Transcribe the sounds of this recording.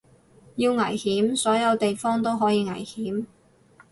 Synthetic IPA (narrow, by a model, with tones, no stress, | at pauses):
jiː˧wŋɐ˨˩jhiː˨˥msɔː˨˥jɐ˨˧wt̪e˨jfɔː˥ŋt̪o˥wɦɔː˨˥jiː˨˧ŋɐ̰˨˩jhiː˨˥m